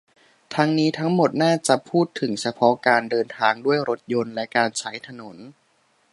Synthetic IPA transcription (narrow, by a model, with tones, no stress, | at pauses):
t̪ʰa˦˥ŋniː˦˥t̪ʰa˦˥ŋmo˨˩t̪̚naː˥˩t͡ɕa˨˩pʰuː˥˩t̪ʰːɯ˩˦ŋt͡ɕʰa˧pʰɔ˦˥kaː˧ndɤː˧nt̪ʰaː˧ŋdu˥˩əjɾo˦˥t̪̚jo˧nlɛ˦˥kaː˧nt͡ɕʰa˦˥jt̪ʰa˧no˩˦n